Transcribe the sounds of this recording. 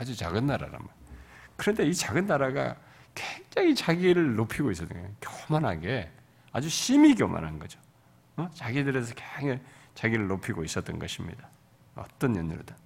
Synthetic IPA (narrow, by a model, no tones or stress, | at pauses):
ad͡ʑut͡ɕaɡɯnːaɾa̰ɾa̰mmankɯɾʌnde̞it͡ɕaɡɯnːaɾaɡa̰ | kweŋd͡ʑaŋit͡ɕaɡiɾɯɭnopʰiɡois͈ʌt͈ɯ̰ŋɡʌkjʌmanɦa̰ɡe̞ | ad͡ʑuɕʰimik̬jʌma̰nɦanɡʌd͡ʑo̥ | ʌt͡ɕaɡidɯɾe̞s̬ʰʌkeŋet͡ɕaɡiɾɯɭːopʰiɡois͈ʌt͈ʌnɡʌɕʰimɲḭd̥a | ʌ̰t͈ʌnjʌnːṵɭda